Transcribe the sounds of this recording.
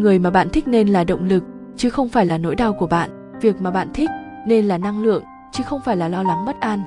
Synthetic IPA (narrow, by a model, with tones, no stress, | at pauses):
ŋɨ˨˩əjmaː˨˩ɓa̰ː˧˨nt̪ʰi˦˥k̚ne˧nlaː˨˩ɗə̰˧˨wŋ͡mlɨ˨˩k̚ | t͡ɕɨ˨˦xə˧wŋ͡mfaː˧˩jlaː˨˩no̰˧˥jɗaː˧wku˧˩əɓa̰ː˧˨n | vi˨˩ək̚maː˨˩ɓa̰ː˧˨nt̪ʰï˦˥k̟̚ | ne˧nlaː˨˩na˧ŋlɨ̰˧˨əŋ | t͡ɕɨ˨˦xə˧wŋ͡mfaː˧˩jlaː˨˩lɔ˧la˨˦ŋmə˦˥t̚ʔaː˧n